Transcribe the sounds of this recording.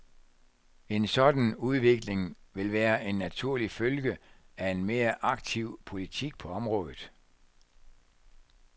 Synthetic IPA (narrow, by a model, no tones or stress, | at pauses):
e̝nsɒ̽d̥æn̩uðˠʋe̝ɡ̥le̝ŋʋe̝lʋæːɐʔe̝nːæt͡sʰuɐ̰lifølɡ̥ə | æe̝nme̝ːɐʔɑ̈ɡ̥t͡sʰiʊ̰pʰo̝lit͡sʰiɡ̥̚pʰɒ̽ɒ̽mʁɔ̽ːðˠð̩ˠ